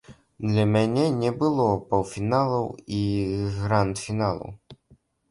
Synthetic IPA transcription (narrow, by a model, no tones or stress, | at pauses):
d̪lʲɐmʲanʲɛnʲɛbɨlˠɔpɐwfʲinalˠɐwiɣɾant̪fʲinalˠɐ̰w